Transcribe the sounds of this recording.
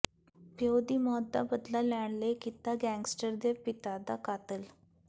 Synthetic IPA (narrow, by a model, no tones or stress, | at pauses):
pjewd̪iːmɔd̪ːa̰bəd̪lalaɳ̃lekit̪ːaɡæ̃ŋɡsʈəɾd̪epit̪ad̪akat̪əl